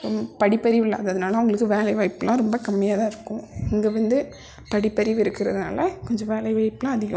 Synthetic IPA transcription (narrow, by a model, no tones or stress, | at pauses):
pɐɽɪpːɐɾɪʋɪlːɐ̰ɐðɐðɯnaːlɐʊŋɡɐɭɯkːɯʋeːlɐɪʋɐɪpːɯlãːɾɔmbɐkɐmːɪjaːðãːɪɾɯkːʊ̃ɪŋɡeʋɐnd̪ɯ | pɐɽɪpːɐɾɪʋɪɾɯkːɪɾɐðɯna̰ːlɐkɔɲd͡ʒɔ̃ʋeːlɐɪʋɐɪpːlãːɐðɪɣɐ